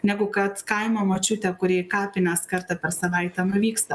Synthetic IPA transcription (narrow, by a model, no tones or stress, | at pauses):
nʲɛɡʊkɐt̪kɐɪmɐmoːt͡ʃʲʊt̪ʲɛkʊɾʲeːkɑːpʲɪnɐskɐɾt̪ɐpʲɛɾsɐʋɐɪt̪ɐmʋʲiːkst̪ɐ